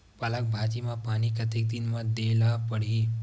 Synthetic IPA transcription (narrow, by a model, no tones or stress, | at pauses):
pɐlək̚bʱaːd͡ʒimãpaːñikɐt̪ek̚d̪ɪnmãd̪eːlapəɽ̤iː